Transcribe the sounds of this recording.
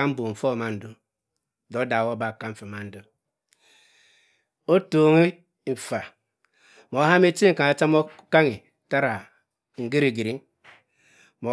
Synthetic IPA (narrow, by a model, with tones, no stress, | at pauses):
a˦m̩˦bo˨ɱ̩˨fo˦˨ma˦n̩˨du˦˨ | do˦da˨wo˦ba˨ka˦ɱ̩˨˦fa˨ma˦n̩˦du˦ | o˦to˨ŋi˦ | ɱ̩˨fa˨ | mo˨˦ha˦me˦t͡ʃi˦ŋ̩˨ka˨a˨t͡ʃa˦mo˦ka˦ŋi˨ | ta˦ɾa˨ | ŋ̩˨ɡi˦ɾi˨ɡi˨ɾi˦ | mo˨